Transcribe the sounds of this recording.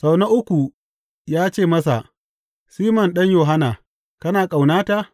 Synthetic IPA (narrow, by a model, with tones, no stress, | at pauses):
sa˨wnɐ˦ʔʊ˦kʷu˨ | jaː˦t͡ʃeː˦˨mɐ˦s̬a̰˨ | siː˦mɔ˨nɗɐ˦ɲjoː˨ɦa˦naː˨ | kɐ˦naː˨kʼa˨wnaː˦ta˦